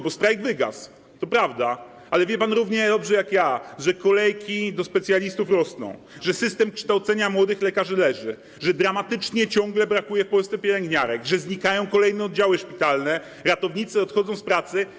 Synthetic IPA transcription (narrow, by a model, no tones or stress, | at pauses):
bɔst̪ɾajɡvɘɡa̰s | t̪ɔpɾavd̪a | alɛvʲjɛpanɾuvɲɛd̪ɔbʐɛjakjaʐɛkɔlɛjkʲid̪ɔspɛt̪sʲjalʲist̪ufɾɔsnɔ̰̃w̃ | ʐɛsɘst̪ɛmkʂt̪awt̪sɛɲamwɔd̪ɘxlɛkaʐɘlɛʐɘ | ʐɛd̪ɾamat̪ɘt͡ʂɲɛt͡ɕɔ̃ŋɡlɛbɾakujɛfpɔlst̪sɛpʲjɛlɛŋɡɲaɾɛɡʐɛzɲikajɔ̃w̃kɔlɛjnɛɔd̪̚d͡ʑawɘʂpʲit̪alnɛ | ɾat̪ɔvɲit̪sɔt̪xɔd̪zɔ̃w̃spɾat̪sɘ